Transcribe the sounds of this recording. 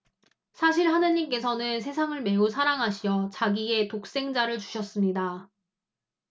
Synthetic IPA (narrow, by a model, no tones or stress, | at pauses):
sʰaɕ̬ʰiɾɦanɯɲimk͈e̞sʰʌnɯnsʰe̞sʰaŋɯɭme̞usʰaɾaŋɦaɕʰiʌt͡ɕaɡie̞tok̚s͈e̞ŋd͡ʑaɾɯɭt͡ɕu̥ɕʰʌs͈ɯmɲida